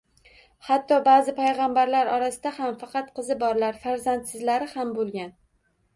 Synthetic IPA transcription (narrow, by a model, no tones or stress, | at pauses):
hat̪ʰːɒbaːzɪpʰajʁɑmbaɾlaɾɒɾasɪd̪ahamfɑqʰɑt̪qʰɨzɪbɒɾlaɾfaɾzant̪sɪzlaɾɪhambolˠɡʲan